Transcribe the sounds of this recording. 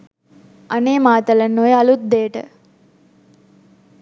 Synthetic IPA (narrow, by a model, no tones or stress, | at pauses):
ɐneːmaːt̪ələnːojeɐlut̪̚d̪eːʈə̰